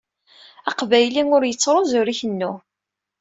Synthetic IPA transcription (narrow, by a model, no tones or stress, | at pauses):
ɑqvæjlinʊɾjət͡sːɾˤozʊɾiçənːʊ